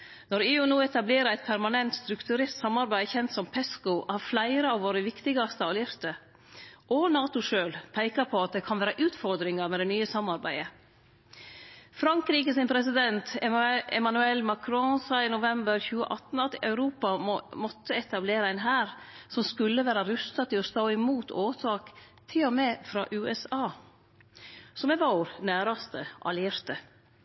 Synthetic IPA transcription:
nɔɾeːʉnuːɛt̪ɑbleːɾəæɪt̪̚pʰæɾmɑnɛnt̪st̪ɾʉkt̪ʉɾeːɾt̪sɑmːɑɾbæɪəçɛnt̪sɔmpʰɛskʊhɑɾflæɪɾəɑʋʋoːɾəʋɪkt̪ɪɡɑst̪əɑlɪɾt̪ə | ʔɔnɑːt̪ʊʂøːlpʰæɪkɑpʰɔɑt̪̚d̪ɛkʰɑnʋæːɾəʔʉːt̪fɔɾd̪ɾɪŋɑɾmɛd̪ɛnyːəsɑmːɑɾbæɪə | fɾɑŋkɾiːkəsɪnpʰɾɛsɪd̪ɛnt̪ɛ̰mɑnʉɛlːmɑkʰɾɔsɑːɪnʊʋɛmbəɾçʉːə̰ʔɑt̪ːn̩ɑt̪ʔœʉɾuːpɑmɔt̪ʰːəɛt̪ɑbleːɾəæɪnɦæːɾsɔmskʉlːəʋæːɾɑɾʉst̪ɑt̪ɪɔst̪oːɪmuːt̪ʰoːt̪ʰɑːk | t̪ʰɪlɔmɛfɾɑːʔʉːɛsɑː | sɔmɛʋoɾnæːɾɑst̪əʔɑ̰lɪeːɾt̪ə

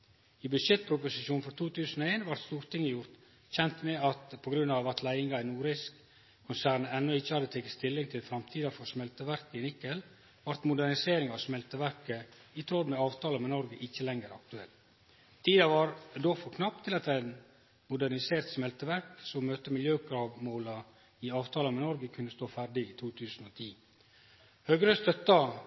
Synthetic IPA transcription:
ibʉʂɛt̪̚pʰɾʊpʊsɪʃuːnfɔɾt̪ʰuːt̪ʉːsənɔeːnʋɑɾt̪st̪uːɾt̪ɪŋːəjʊɾt̪ | çɛnt̪mɛɑt̪pʰɔɡɾʉnːɑʋɑt̪læɪɪŋɡɑæɪnuːɾɪsk | kʰːʊnsæːɾnɛnːɔɪçːəhɑd̪ət̪ʰɛkːə̥st̪ʰɪlːɪŋt̪ʰɪlfɾɑmt̪ʰiːd̪ɑfɔɾsmɛlt̪əʋæɾkəɪnɪkːəl | ʋɑɾt̪mʊd̪æɾnɪseːɾɪŋɑʋsmɛlt̪əʋæɾkəɪt̪ʰɾɔd̪mɛɑːʋt̪ʰɑːləmɛnɔɾɡəʔɪçːəlɛŋəɾɑ̰kt̪ʉɛl | t̪ʰːiːd̪ɑʋɑɾd̪oːfɔɾkʰnɑp̚t̪ʰːɪlɑt̪æɪn | mʊd̪æɾnɪseːɾt̪smɛlt̪əʋæɾksɔmmøːt̪əmɪljøːkɾɑːʋmoːlɑ | ɪɑːʋt̪ʰɑːləmɛnɔɾɡəkʰʉnːəst̪oːfæɖɪɪt̪ʰuːt̪ʰʉːsən̩ɔːt̪ʰiː | høːɡɾəst̪œt̪ːɑ

